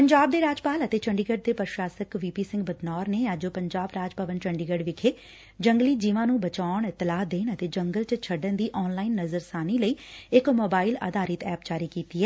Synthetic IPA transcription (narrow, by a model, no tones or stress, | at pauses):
pəɲd͡ʒaːb̚d̪eːɾaːd͡ʒpaːlət̪eːt͡ʃəɳɖiɡəɖ̚d̪eːpəɾʃaːsəkʋiːpiːsɪ̃ŋɡbəd̪nɔːɾneːad͡ʒoːpəɲd͡ʒaːbɾaːd͡ʒpəʋənt͡ʃəɳɖiːɡəɖʋɪkʰeː | d͡ʒəŋɡliːd͡ʒiːʋãːnũːbət͡ʃaːɳɪt̪ːɪlaːd̪eːnət̪eːd͡ʒəŋɡəlt͡ʃət͡ʃʰəɖənd̪iːʔɔːnlaːinːəzəɾsaːniːləiːɪkmoːbaːila̰ːd̪aːɾɪt̪ɛːpt͡ʃaːɾiːkiːt̪iːɦɛː